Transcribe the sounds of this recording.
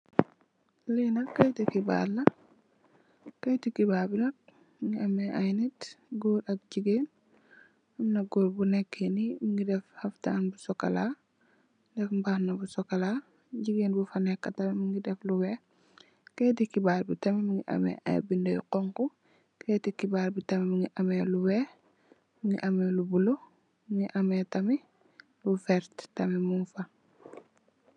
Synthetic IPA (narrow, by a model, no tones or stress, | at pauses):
linɐkːɐjtikiba̰ːlːɐ | kɐjtikibaːbinɐk̚ | miŋiɐmɛʔɐjnitɡoːɾɐk̚d͡ʒiɡen | ɐmnɐɡoːɾbunɛkʰːenimiŋɡidɛfhɐftanbusɔkɐla | dɛfmbaːhnɐbusɔkɐla | ɟiɡenbufɐnɛkːɐtɐmimiŋɡidɛfluwɛ | keːtikibaːɾbitɐmɛmuŋiʔɐ̰mɛ̰ʔa̰bindojqɔŋku | ketikibaːɾbitɐmɛmiŋiʔɐmɛluwɛː | miŋiʔɐmelubulo | miŋiʔɐmɛtɐmi | lufɛɾttɐmɛmunfɐ